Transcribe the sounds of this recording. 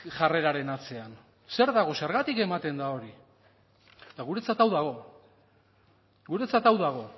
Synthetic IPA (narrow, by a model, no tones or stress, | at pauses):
ʝare̞ɾaɾe̞nat͡se̞an | se̞ɾðaɣ̞o̞se̞ɾɣat̪ike̞mat̪e̞nd̪ao̞ɾi | t̪aɣ̞uɾe̞t͡sat̪awðaɣ̞o̞ | ɣuɾe̞t͡sat̪awðaɣ̞o̞